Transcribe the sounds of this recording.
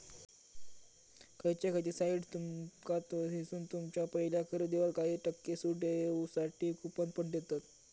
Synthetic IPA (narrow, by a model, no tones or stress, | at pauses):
kʰəjt͡ɕekət͡ɕ̪isaiɖt̪umkat̪əɦisuːnt̪umt͡ɕjapəɦiljakʰəɾəd̪eʋalkaɦiːʈəkːesuʈesaʈʰiːkupənpəɳd̪et̪at̪